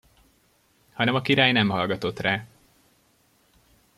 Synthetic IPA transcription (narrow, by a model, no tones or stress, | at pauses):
hɒnɛmɒkiɾaːjnɛmɦɒlɡɒt̪o̞t̪raː